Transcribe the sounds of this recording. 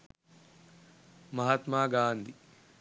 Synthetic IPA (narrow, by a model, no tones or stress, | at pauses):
mɐɦat̪maːɡaːnd̪i